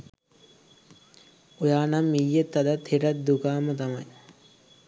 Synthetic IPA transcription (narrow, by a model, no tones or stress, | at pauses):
ojaːnamːijːet̪ːɐd̪ɐt̪hiɾɐt̪̚d̪ukaːmɐt̪ɐmɐj